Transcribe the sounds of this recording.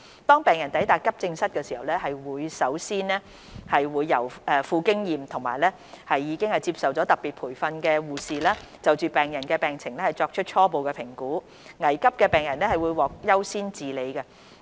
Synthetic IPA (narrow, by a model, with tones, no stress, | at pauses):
t̪ɔː˥ŋpɛː˨˩ŋjɐ˨˩nt̪ɐ˨˥jt̪aː˨kːɐ˥p̚t͡sɪ˧ŋsɐ˥t̚kɛː˧si˨˩hɐ˨wlɛː˥ɦɐ˨jwuː˨˧jsɐ˨˥wsiː˥nlɛː˥ | hɐ˨jwuː˨˧jːɐ̰˨˩wʔɛː˨˧fuː˧kɪ˥ŋjiː˨mt̪ʰʊ˨˩ŋma̰ː˨jlɛː˥ | hɐ˨jːiː˨˧˥kɪ˥ŋhɐ˨jt͡siː˧p̚sɐ˨wt͡sɔː˨˥t̪ɐ˨k̚pi˨t̚pʰuː˨˩jfɐ˧nkɛː˧wuː˨˧siː˨laː˥t͡sɐ˨wt͡syː˨pɛː˨ŋjɐ˨˩nkɛː˧pɛː˨˩ŋt͡sʰɪ˨˩ŋlɛː˥hɐ˨jt͡sɔː˧k̚t͡ʃʰɵ˥t̚t͡ʃʰɔː˥po˨wkɛː˧pʰɪ˨˩ŋkuː˨˥ | ŋɐ˨˩jkɐ˥p̚kɛː˧pɛː˨ŋjɐ˨˩nlɛː˥hɐ˨˩jwu˨˧jwɔː˨k̚jɐ˥wsiː˥nt͡siː˨le˨˧jkɐ˧